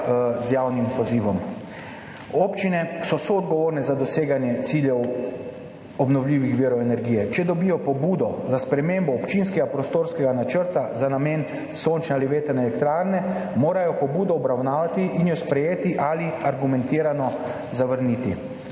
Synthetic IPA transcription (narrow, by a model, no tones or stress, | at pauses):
zjaːwnimpɔziːʋɔm | oːpt͡ʃinɛsɔsɔːd̪ɡɔʋoːɾnɛzad̪ɔseːɡanjɛt̪siːljɛw | ɔbnɔwlʲiːʋixʋiːɾɔɛnɛɾɡiːjɛt͡ʃɛd̪ɔbijɔpɔbuːd̪ɔzaspɾɛmeːmbɔːpt͡ʃinskɛɡapɾɔst̪oːɾskɛɡanat͡ʃəɾt̪azanameːn | sont͡ʃnɛaliʋeːt̪ənɛːlɛkt̪ɾaːɾnɛmoːɾajɔpɔbuːd̪ɔːbɾawnaːʋat̪iʔinjɔspɾɛjeːt̪iʔaliaɾɡumɛ̃nt̪iːɾanɔ | zaʋəɾniːt̪i